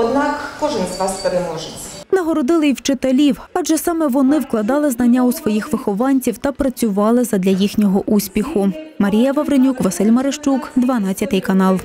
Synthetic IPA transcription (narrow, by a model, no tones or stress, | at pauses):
ɔd̪nɑkːɔʒɪnzʋɑspeɾemɔʒɪt͡sʲnɐɦɔɾɔd̪ɪlˠɪjwt͡ʃɪt̪elʲiwɑʒɛsɑmɛʋɔnɪwklˠɐd̪ɑlˠɪznɐnʲːaʊsʋɔjixʋɪxɔʋɑnʲt͡sʲiwt̪ɐpɾɐt͡sʲʊʋɑlˠɪzɐd̪lʲɐjixnʲɔɦɔʔusʲpʲixʊmɐɾʲijɐʋɐʋɾenʲukʋɐsɪlʲmɐɾeʃt͡ʃukd̪ʋɐnɑt͡sʲːɐt̪ɪjkɐnɑlˠ